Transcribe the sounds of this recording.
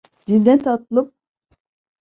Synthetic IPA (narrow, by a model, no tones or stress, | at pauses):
d̪ind̪ɛnt̪ʰat̪lˠɯp̚